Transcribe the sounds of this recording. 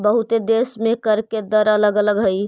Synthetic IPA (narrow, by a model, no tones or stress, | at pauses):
bəɦut̪ed̪esmẽkəɾked̪əɾələɡələɡɦəj